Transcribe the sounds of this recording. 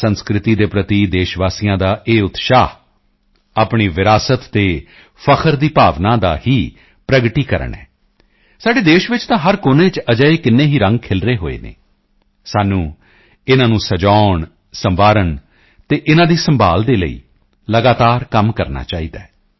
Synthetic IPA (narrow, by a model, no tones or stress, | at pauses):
sənskɾɪt̪iːd̪eːpɾət̪iːd̪eːʃʋaːsijãːd̪aːʔeːʊt̪ʃaːh | aːpɳiːʋɪɾaːsət̪ːeː | pʰəkʰəɾd̪iːpaːʋnãːd̪a̰ːhiː | pɾəɡʈiːkəɾə̰ɳɛ̰ː | saːɖeːd̪eːʃʋɪt͡ʃt̪ãːɦəɾkoːnẽːt͡ʃəd͡ʒəːeːkɪnːeːɦiːɾə̃ŋɡ̚kʰɪlɾeːɦo̰ːḛːnḛː | saːnũː | ɪnãːnũːsəd͡ʒaːɳ | səmʋaːɾəɳ | t̪eːʔɪnãːd̪iːsəmbʱaːld̪eːlə̰ḭː | ləɡaːt̪aːɾkəmkəɾna̰ːt͡ʃaːiːd̪aːɛ